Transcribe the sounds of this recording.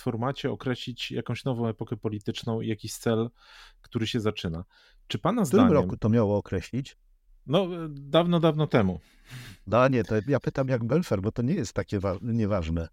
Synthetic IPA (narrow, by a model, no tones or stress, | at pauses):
fɔɾmat͡ɕɛɔkɾɛɕlʲit͡ɕja̰kɔ̃w̃ɕnɔvɔ̃w̃ɛpɔkɛpɔlʲit̪ɘt͡ʂnɔ̃w̃ḭjakʲiɕt̪sɛl | kt̪uɾɘɕɛzat͡ʂɘna | t͡ʂɘpanazt̪uɾaɲmɾɔɛkut̪ɔmʲjawɔːkɾɛɕlʲit͡ɕ | nɔd̪avnɔd̪avnɔt̪ɛmu | d̪aɲɛt̪ɔjapɘt̪amjaɡbɛlfɛɾbɔt̪ɔɲɛjɛst̪ːakʲɛvaɲɛvaʐnɛ